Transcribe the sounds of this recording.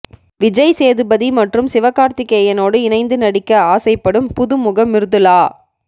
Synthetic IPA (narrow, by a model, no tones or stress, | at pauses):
ʋɪd͡ʒɐɪseːðɯbɐðimɐʈrɯmsɪʋɐkːaːɾt̪ɪkːɐjɐnoːɽɯɪnɐɪnd̪ɯnɐɽɪkːɐaːsɐɪpːɐɽɯmpʊðɯmʊɣɐmːɪɾɯðɯlaː